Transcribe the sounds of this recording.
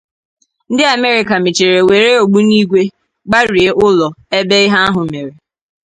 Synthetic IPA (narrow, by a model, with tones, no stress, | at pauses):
n̩˦dɪ˦a˨me˦ɾɪ˨ka˨mɪ˨t͡ʃe˨ɾe˨we˨ɾe˦o˨ɡ͡bu˦ni˦ɡʷe˦ | ɡ͡ba˦ɾi˨e˦ʔʊ˦lɔ˨e˦be˦ɪ˦ɦa˦a˦ɦʊ˨me˨ɾe˨